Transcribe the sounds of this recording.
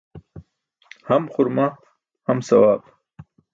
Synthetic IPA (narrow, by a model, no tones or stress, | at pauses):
hamχʊɾma | hamsɐ̰waːb